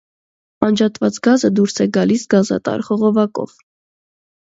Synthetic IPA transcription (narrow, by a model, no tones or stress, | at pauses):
ɑnd͡ʒɑt̪vɑt͡sɡɑzəd̪uɾsɛɡɑlisɡɑzɑ̰t̪ɑ̰ɾχɔʁɔvɑkɔ̰v̥